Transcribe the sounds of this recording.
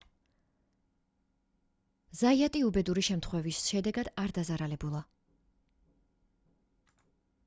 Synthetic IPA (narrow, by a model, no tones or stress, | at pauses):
zaiat̪ʼiubɛd̪uɾiʃɛmt̪ʰχwɛvisʃɛd̪ɛɡad̪aɾd̪azaɾalɛbulˠa